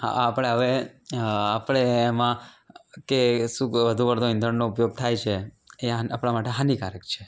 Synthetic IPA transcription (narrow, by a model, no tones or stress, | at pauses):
ɦa̰ːpəɽ̃eɦəʋe | apɽ̃eːmã | kesũkʋəd̪ʱũʋəɾd̪õɪ̃nd̪ʱəɳnoupjoɡ̚t̪ʰajt͡ʃʰe | eaapɽ̃amaʈeɦanikaɾəkt͡ʃʰe